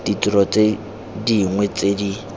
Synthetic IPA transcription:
d̥itʼiɾɔt͡sʼe | diŋwɛt͡sedi

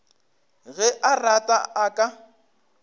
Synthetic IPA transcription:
ɣɛʔaratʼaʔakʼa

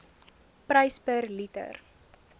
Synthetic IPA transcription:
prəjspərlitə̰r

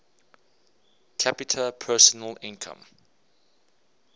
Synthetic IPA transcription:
kʰapitʰəpʰɜːˑsɔnəlɪ̃nkʰə̰̃m

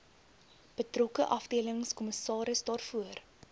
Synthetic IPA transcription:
b̥ətrɔkəʔɐfdiələŋskɔməsɑːɾəsdɑːrfuər

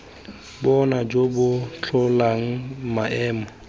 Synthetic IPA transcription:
bɔnad͡ʒobʊt͡ɬʰɔlaŋ̩maʔɛːmɔ

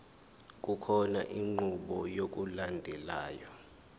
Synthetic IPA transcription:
k̬ʼukʰɔna̰ʔiŋ͡ǃuɓɔjok̬ʼulandʱɛlaːjɔ

